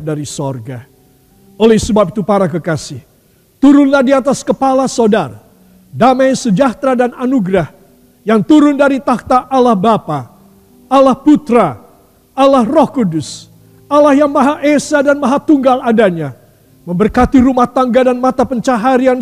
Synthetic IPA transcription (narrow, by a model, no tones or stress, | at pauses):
daɾisorɡa | olɛhsəbap̚it̪upaɾakəkasɪh | t̪uɾʊnlahdiat̪askəpalasodar | damajsəd͡ʒaht̪ɾadananuɡɾah | jaŋt̪uɾʊndaɾit̪ak̚t̪aʔalahbapa | alahput̪ɾa | alahrɔhkudʊs | alahjaŋmaɦaʔesadanmaɦat̪uŋɡaladaɲa | məmbərkat̪iɾumaht̪aŋɡadanmat̪apəɲt͡ʃaɦaɾian